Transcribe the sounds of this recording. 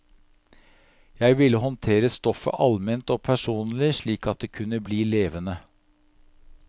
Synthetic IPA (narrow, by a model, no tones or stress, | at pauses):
jæɪʋɪlːəɦɔnt̪ʰeːɾəst̪ɔfə̰ʔɑlmɛnt̪ɔːpʰæʂuːnlɪʂɭiːkɑt̪̚d̪eːkʰʉnəbliːleːʋənə